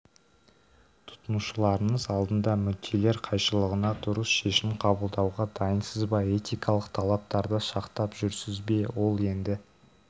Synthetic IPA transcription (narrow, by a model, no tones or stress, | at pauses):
t̪ʰʊ̥t̪ənuʃəlˠɑɾəɴəzɑlˠd̪ənd̪ɑmʏd̪ʰe̞le̞ɾqʰɑjʃəlˠəʁənɑd̪ʊɾəsʃe̞ʃɪmqʰɑbəlˠd̪ɑwʁɑd̪ɑjənsəzbɑe̞t̪ijkʰɑlˠəqt̪ʰɑlˠɑp̚t̪ɑɾd̪əʃɑqt̪ɑpʒ̥ʏɾsɪzbe̞wo̞lˠe̞nd̪ɪ